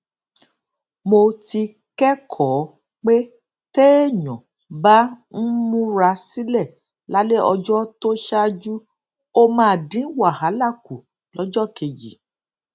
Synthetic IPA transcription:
mo˧ti˧ | kɛ˦kʰɔː˨˦ | k͡pe˦ | te˦˨ɲɔ̃˨ | ba˦n̩˦mũ˦ɾa˧si˦lɛ˦˨ | la˦le˦ɔ˧d͡ʒɔ˦to˦ʃa˦d͡ʒu˦ | o˦mãː˦˧˨dĩ˨˦wa˦˨ha˨˦la˦˨ku˨ | lɔ˨˦d͡ʒɔ˦˨ke˨˧d͡ʒḭ˨

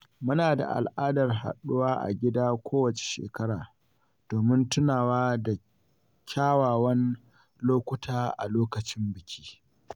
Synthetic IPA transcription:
mʊ˦naː˨da̰˨ʔa̰˨lʔaː˦dɐ˨rɦa̰˨ɗʊ˦waː˦ʔa̰˨ɡʲɪ˦daː˦kʷoː˦wɐ˨t͡ʃe̥˨ʃḛː˨kɐ˦ɽaː˨ | d̥oː˨mɪ˦ntʊ˦naː˨waː˦da˨ | kʲʰaː˦waː˨wɐ˦n | loː˦kʷʊ˦tʰaː˦ʔa̰˨loː˦kɐ˨t͡ʃɪ˦mbɪ˨kʲʰiː˦

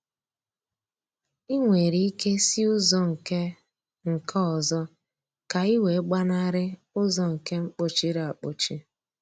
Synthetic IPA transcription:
i˦ŋʷe˨ɾi˦i˦ke˦si˦ʊ˦zɔ˦ŋ̩˨ke˦ | ŋ̩˨kʰɔ˦ɔ˨zɔ˦ | ka˨i˦we˨˦ɡ͡ba˦na˦ɾɪ˦ | ʊ˦zɔ˦ŋ̩˨ke˦ŋ͡m̩˦k͡po˨t͡ʃi˦ɾa˨a˨k͡po˨t͡ʃi˦

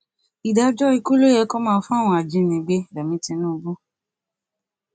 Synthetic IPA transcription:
i˨da˧d͡ʒɔ˦i˧ku˦lo˦jɛ˧˦kɔ˦mãː˦˧˦fũ˦a˦˨w̃ɔ̃˧˨a˨d͡ʒĩ˧˦nĩ˨˦ɡ͡be˧˦˨dɛ˨mĩ˧˦tĩ˧nũː˦˧bu˦

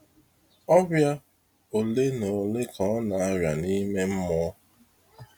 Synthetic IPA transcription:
ɔ˦bja˦ | o˨le˦no˨le˦kʰɔ˨˦ɔ˦na˨a˦ɾja˨ni˦me˦m̩˦mɔ˦

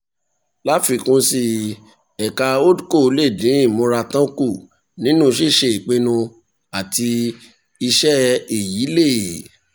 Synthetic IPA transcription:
la˦fi˧˨kũ˨˦si˧ | ɛ˨ka˧o˦du˦ko˦˨˧le˦˨dĩ˨˦i˦˨mũ˧˦ɾa˧tã˦ku˦˨ | nĩ˨˦nũ˦˧ʃi˦˨ʃe˧˨i˨k͡pe˧nũ˧ | a˨ti˧ | i˧ʃɛ˦e˦˨ji˨˦le˦˨

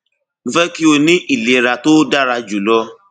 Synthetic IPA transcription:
ñ̩˦fɛ˦ki˦o˧nĩ˦ʔi˦˨le˨ɾa˨to˦da˦ɾa˧d͡ʒu˨lɔ˧˦

